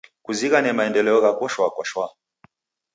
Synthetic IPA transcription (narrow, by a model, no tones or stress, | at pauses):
kuziɣanɛmaɛndɛlɛɔɣakɔʃwakwaʃwa